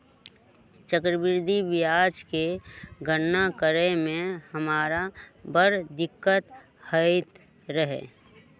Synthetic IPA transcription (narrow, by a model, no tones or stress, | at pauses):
t͡ʃəkɾəbɪɾd̪ʱibɪjaːd͡ʒkeɡʱəɽnakəɾemẽhəmaːɾabəɾd̪ɪkːət̪ | həɪt̪ | ɾəɦḛː